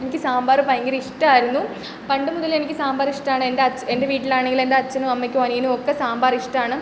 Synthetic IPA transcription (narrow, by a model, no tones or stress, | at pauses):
enikʲːɨsaːmbaːrɨpɐjɐŋɡiɾiʂʈɐaːjiɾunːu | pɐɳɖɨmuðɐle̞nikʲːɨsaːmbaːriʂʈaːɳɨendeɐt͡ɕːende̞ʋiːʈːilaːɳeŋɡile̞ndeɐt͡ɕːɐnuɐmːekʲːɨʋɐniinɨokːesaːmbaːriʂʈɐaːɳɨ